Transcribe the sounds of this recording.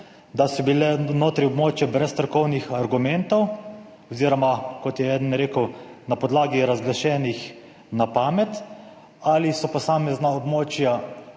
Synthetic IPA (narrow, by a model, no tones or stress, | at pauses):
d̪asɔbilɛnoːt̪ɾiɔbmoːt͡ʃjabɾɛst̪əɾkɔwnixaɾɡumɛnt̪ɔw | ɔziːɾɔmakɔt̪jɛɛd̪nːɾeːkəwnapɔd̪laːɡiɾazɡlaʃɛːnix | napaːmɛt̪ | alisɔpɔsaːmɛznaɔbmoːt͡ʃja